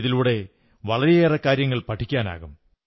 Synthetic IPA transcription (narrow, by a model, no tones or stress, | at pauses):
ðiluːɽe̞ | ʋɐɭɐɾijeːrɐkːaːɾjɐŋːɐɭpɐʈʰːikʲːaːna̰ːɣum